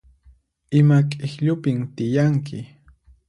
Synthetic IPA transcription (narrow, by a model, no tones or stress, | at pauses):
ɪmakʼɪxʎʊpɪmt̪ɪjaŋkʰɪ